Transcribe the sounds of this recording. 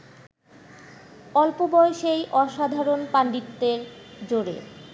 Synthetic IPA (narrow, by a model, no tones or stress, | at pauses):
ɔlpobɔeʃejʔɔʃad̪ʱaɾonpaɳɖit̪ːeɾd͡ʑoɾḛ